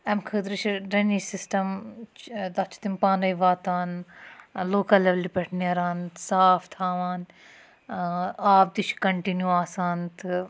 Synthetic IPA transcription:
ɐmkʰəd̪ɾit͡ʃʰiɖɾenisisʈɐm | d̪ɐt͡ʃʰi̥t̪impãːnɐjʋaːt̪aːn | loːkɐleʋlipʲeʈʰneɐɾaːnsaːft̪ʰaːʋaːn | aːp̚d̪it͡ʃʰkɐɳʈinjuaːsaːnt̪ʰɨ

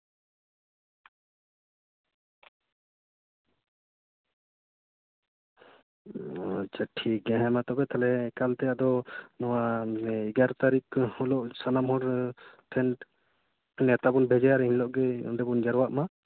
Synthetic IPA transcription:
t͡ʃəʈʰiɡɛ̃ɦɛmat̪ɔbɛt̪ʰalɛkalt̪ɛjaʔd̪ɔnɔwaiɡaɾt̪aɾikɔlɔʔsanamɦɔɾʈ̪ʰɛnʈ | nɛt̪abunbʱɛd͡ʒajaɾɛɦiɲlɔʔɡɛ̰d̪ɛbund͡ʒaɾwaʔma

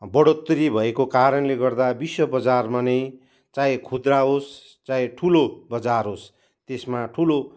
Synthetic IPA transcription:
bʌɽot̪ɾibʱʌekokaɾʌnleɡʌrd̪abiswʌbʌd͡zarmanʌj | t͡sãjkʰud̪raɦos | t͡sãẽʈʰulobʌd͡zarɦos | t̪esmaʈʰulo

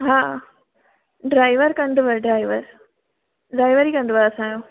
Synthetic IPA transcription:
ɦaː | ɖɾaːɪʋəɾkɐ̃nd̪ʊʋəɾɖɾaːɪʋəɾ | ɖɾaːɪʋəɾiːkɐ̃nd̪ʊʋaɾɐsãːjõː

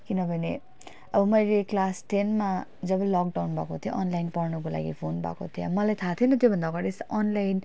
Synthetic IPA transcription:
kinʌbʱʌne | ʌbʌmʌjleklasʈʰenmad͡zʌbʌlɔk̚ɖawnbʱakot̪ʰijoʔʌnlajnpʌrnʌkola̰ɡipʰonbʱa̰kot̪ʰiʌmʌlajt̪ʰat̪ʰinʌt̪jobʱʌnd̪aɡʌɾesʔʌnlajn

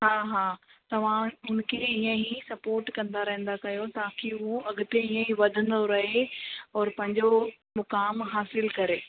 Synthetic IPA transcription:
ɦaːɦaːt̪ɐʋ̤ãʊnkʰeiːə̃ɦisɐpoːɾʈkɐ̃nd̪aɾɐɦə̃n̆d̪akɐjot̪aːkiʊɦoɐɠʊt̪eiːə̃ɦĩʋɐd̪ʱə̃nd̪oɾɐɦeɔːɾpɐ̃ɦɪ̃ɲd͡ʑo | mʊkaːmɦaːsɪlkɐɾeː

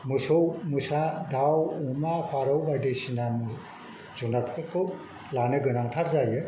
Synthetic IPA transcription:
musowmusadawumapʰaɾowbajdejsinam | zunapʰɯ̥kʰɯkʰɯw | lanɯɡɯnaŋtʰaɾzajɯ

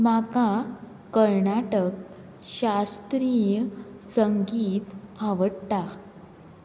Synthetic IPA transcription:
maka | kəɾɳaʈək | ɕast̪ɾijəsəŋɡiːt̪aʋəɽt̪a

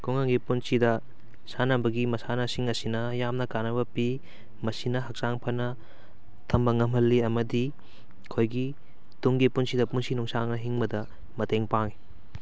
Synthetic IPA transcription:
kʰuŋaŋɡipunsidɐ | sanɐbɐɡimɐsanɐsiŋɐsinɐjamnɐkanɐbɐpi | mɐsinɐɦɐk̚saŋpʰɐnɐ | tʰɐmbɐŋɐmɦɐlːiɐmɐdi | kʰojɡi | tuŋɡipunsidɐpunsinuŋsaŋnɐɦiŋbɐdɐ | mɐteŋpaŋi

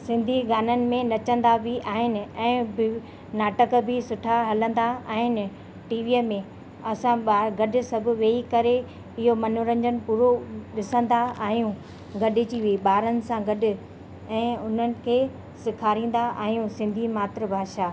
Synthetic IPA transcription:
sɪ̃nd̪ʱiɡaːnənɪ̆mẽnɐt͡ɕə̃nd̪abʱiʔaːɦɪnɪ̆ɛ̃ːbɪ | naːʈəkbʱɪsʊʈʰaɦɐlə̃nd̪aaːɦɪnɪ | ʈiːʋiːəmẽ | ɐsãaːɡɐɗɪ̆sɐbʱʊ̆ʋeːikɐɾe | ɪɦomɐnʊɾə̃ɲd͡ʑənɪ̆puːɾoɗɪsə̃nd̪aaːɦijũ | ɡɐɗɪt͡ɕiʋiɓaːɾənɪ̆sãɡɐɗɪ̆ | ɛ̃ːʊn̤ənɪ̆kʰeː | sɪkʰaːɾĩːn̆d̪aʔa̰ːɦijũsɪ̃nd̪ʱimaːt̪ɾəbʱaːʃa

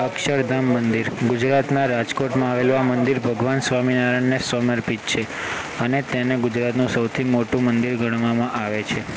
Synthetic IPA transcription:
əkʃəɾd̪ʱəmːənd̪iɾɡʊd͡ʒɾat̪naɾad͡ʒkoʈmãaʋeloamənd̪iɾbʱəɡʋansʋaminaɾəɳnesʋəməɾpit̪̚t͡ʃʰe | ənet̪eneɡʊd͡ʒɾat̪nũsəwt̪ʰimoʈũmənd̪iɾɡʱəɽ̃ʋamãʔaʋet͡ʃʰe

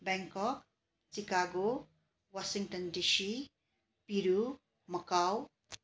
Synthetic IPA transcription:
baŋkʌk | t͡sikaɡo | wasiŋʈʌndisi | piɾu | mʌkaw

